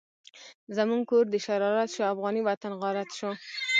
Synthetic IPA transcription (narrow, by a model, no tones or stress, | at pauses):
zamuŋɡkoɾd̪əʃaɾɑɾat̪ʃoafɣɑniwat̪anɣaɾat̪ʃo